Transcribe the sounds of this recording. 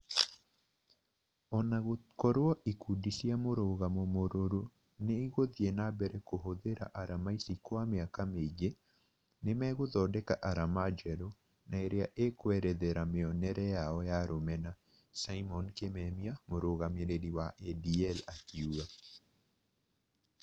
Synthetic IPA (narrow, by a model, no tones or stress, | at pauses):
ɔnakɔɾwɔʔikudisjamoɾoɣamomoɾoɾo | neiɣoðjenabɛɾɛkoɦoðeɾa̰ʔaɾamaisikwameakamed͡ʒe | nemɛɣoðɔdɛkaʔaɾamad͡ʒɛlo | naeɾeaʔekwɛɾɛðeɾameɔnɛɾɛjaɔjaɾomɛna | saimɔnkemɛmiamoɾoɣameɾeɾiwaʔɛdiɛlakiua